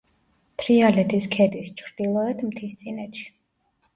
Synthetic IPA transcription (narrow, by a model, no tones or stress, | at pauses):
t̪ʰɾialɛt̪ʰiskʰɛd̪ist͡ʃʰɾd̪ilˠɔɛt̪ʰmt̪ʰist̪sʼinɛt̪ʃi̥